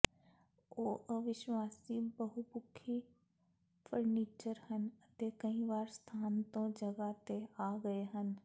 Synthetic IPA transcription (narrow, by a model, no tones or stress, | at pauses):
oːʔəʋɪʃwaːsibəɦubʊkʰi | fʰəɾniːt͡ʃəɾhənət̪ekəĩʋaːɾst̪ʰaːnt̪õd͡ʒɐɡat̪eaːɡəeɦən